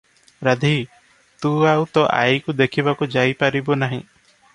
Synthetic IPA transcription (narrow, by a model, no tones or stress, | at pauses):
ɾad̪ʱi | t̪uawt̪ɔʔa̰jkud̪ekʰibakud͡ʒajpaɾibɔnaɦḭ̃